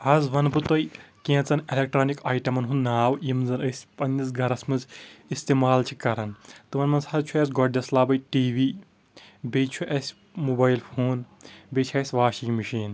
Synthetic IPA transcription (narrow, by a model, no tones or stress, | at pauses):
ɦɐzʋɐnbɨt̪ojkẽːt͡sɐnelek̚ʈɾoːnikaːjʈɐmɐnɦunnaːwimzɨnɐsʲpɐnʲːɐzɡɐɾɐsmɐnzist̪eːmaːlt͡ʃʰikɐɾɐnt̪ɨʋɐnmɐnzhɐzt͡ʃʰues̬ʲɡɔɖ̚d̪ɐslaːbɐjʈiːʋiː | beːt͡ʃʰuʔesʲ | muːbaːjlpʰoːn | bʲet͡ʃʰɐsʲʋaːʃiŋɡmiʃiːn